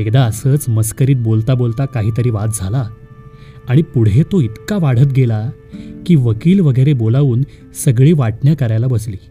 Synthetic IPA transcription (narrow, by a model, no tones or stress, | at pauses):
ekd̪aəsət͡sməskəɾiːt̪̚bolt̪abolt̪akaɦiːt̪əɾiːʋat̪̚d͡zʱala | aɽ̃ipuɽɦet̪oit̪kaʋaɽ̤ət̪̚ɡela | kiːʋəkiːlʋəɡəjɾebolaʋuːn | səɡɭiːʋaʈɳjakəɾajlabəsliː